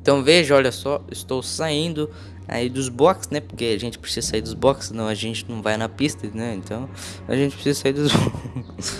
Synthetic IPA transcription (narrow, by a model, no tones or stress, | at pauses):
ẽt̪ɐ̃w̃veʒɐɔʎɐsɔɪst̪owsaĩnd̪ʊ | a̰id̪ʊzbɔksnɛpoɾkeaʒẽnt͡ʃɪ̥pɾɪ̥sizɐsaiɾd̪ʊzbɔksnɐ̃w̃ɐʒẽnt͡ʃɪnɐ̃w̃vajnɐpist̪ɐnɛẽnt̪ɐ̃w̃ | a̰ʒẽnt͡ʃɪ̥pɾɪ̥sizɐsaiɾd̪ʊzbɔks